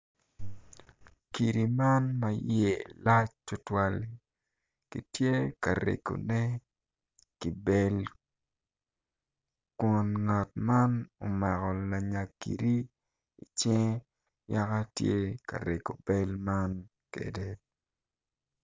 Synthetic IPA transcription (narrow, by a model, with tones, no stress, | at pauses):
ki˨ɾi˨ma˦nma˨je˨la˦t͡ʃtʊ˦twa˦l | ki˨tje˦ka˨ɾḛ˨ko̰˨nɛ˦ | ki˨be˦l | kwɔ˨nŋa˨tma˦no˨mɛ˨kɔ˨la˨ɲa˨kḭ˨ɾi˦ | i˨t͡ʃɛ˦ŋ | ja˦ka˦tje˦ka̰˨ɾe˨ko˨be˦lma˦n | kḛ˨de˦